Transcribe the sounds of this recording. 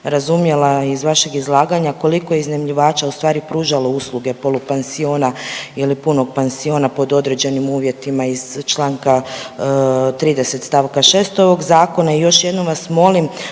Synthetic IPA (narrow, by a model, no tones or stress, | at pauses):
ɾazumje̞laizʋaʃeɡizlˠaːɡaɲako̞liko̞jeiznemʎiʋaːt͡ʃaust̪ʋaːɾipɾuːʒalouslˠuɡe̞po̞lupensio̞ːnailipuno̞ɡ̚pensio̞napo̞d̪o̞d̪ɾe̞d͡ʑe̞nimuːʋje̞t̪imaiz̥t͡ʃlˠaːŋka | t̪ɾiːd̪e̞set̪st̪aʋkaʃe̞ːst̪o̞ʋo̞ɡzaːko̞naijo̞ʃje̞d̪no̞mʋasmo̞lim